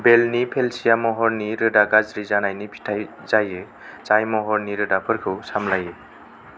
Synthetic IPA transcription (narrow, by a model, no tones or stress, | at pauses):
belnipʰelsijamɔɦɔɾniɾɯdaɡazɾizanajnipʰi̥tʰaj | zajɯ | t͡ʃajmɔɦɔɾniɾɯdapʰɯɾkʰɯwsamlajɯ